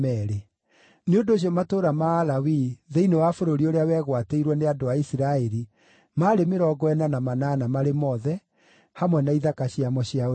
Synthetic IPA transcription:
ɛɾe | neondoːɕ̬iɔmatoːɾamaːlawiðeinewafoɾoɾioɾeawɛːɣwateiɾwɛneadoaisiɾaɛɾi | maːɾemeɾɔɡɔɛnanamanaːnamaɾemɔðɛ | hamwɛnaiðakaɕiamɔɕiao

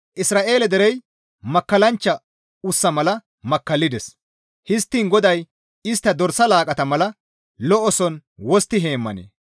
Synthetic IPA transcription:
ʔɪsɾaːʔe̞ːlɛd̪ɛɾɛj | mɐkːɐlɐnt͡ʃːɐ | ʊsːɐmɐlɐ | mɐkːɐlːɪd̪ɛs | hɪs̬t̪ːiːnɡɔd̪ɐj | ɪst̪ːɐd̪ɔɾsɐlaːkʼɐt̪ɐmɐlɐ | lɔʔɔsɔnwɔst̪ːɪɦe̞ːmːɐ̰nḛː

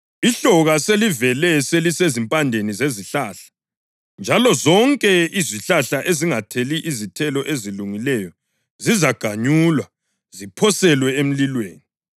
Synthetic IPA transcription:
iɬɔɣaselivɛlɛselisezimpʼandʱenizeziɬaːɬḁ | nd͡ʒʱalɔzɔŋkʼɛiziɬaɬaʔeziŋatʰeliʔːzitʰɛlɔʔeziluŋilɛjɔ | zizaɡ̥ʱaɲuːlwa | zipʰɔsɛlwɛem̩lilweːni

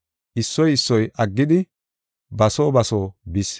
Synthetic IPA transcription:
ʔɪsːɔjɪsːɔjʔɐɡːɪd̪ɪ | bɐsoːbɐsoːbɪs

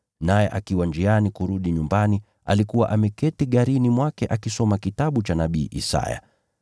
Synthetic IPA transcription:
najɛʔakiwand͡ʒianikuɾuɗiɲumbani | a̰likuwaʔamɛkɛtiɠaɾinimwakɛʔakisɔmakitaɓut͡ʃanaɓiːʔḭsa̰ja̰

